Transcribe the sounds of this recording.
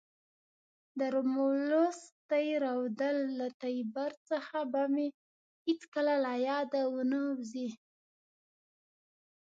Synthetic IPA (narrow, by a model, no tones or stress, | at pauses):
d̪əɾomolost̪ajɾawd̪əlːat̪ajbaɾt͡səxabame | hɪt͡skəlalajɑd̪awənəwzi